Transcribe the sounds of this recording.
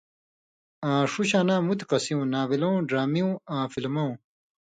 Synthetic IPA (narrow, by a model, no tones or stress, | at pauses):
ãːʂuɕaːnãːmut̪iqɐsĩũnaːβilõwɖɾaːmiũãːfilmɐw̃